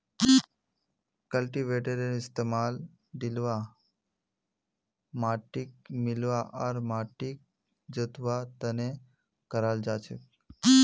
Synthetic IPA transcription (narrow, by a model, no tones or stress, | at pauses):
kəlʈiʋeʈeɾenɪst̪emal | d̪ilʋa | maʈik̚mɪlʋaʔəɾmaʈik̚ | d͡ʒət̪ʋat̪əne | kəɾald͡ʒat͡ʃʰḛk